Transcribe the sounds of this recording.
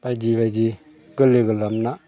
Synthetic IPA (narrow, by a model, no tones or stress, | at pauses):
bad͡ʒiβad͡ʒi | ɡɯleɡɯlamna